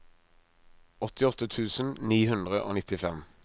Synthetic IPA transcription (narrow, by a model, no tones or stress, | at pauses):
ɔt̪ɪɔt̪ːət̪ʰʉːsən̩niːhʉnd̪ʁəʔo̰ːnɪt̪ɪfɛm